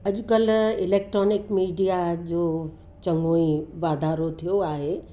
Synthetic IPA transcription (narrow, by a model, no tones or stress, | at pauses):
ɐd͡ʑʱʊkəlɪleːk̚ʈɾɔːnɪkmiːɖijad͡ʑoː | t͡ɕɐ̃ŋɡoːĩʋaːd̪ʱaːɾot̪ʰijoaːɦe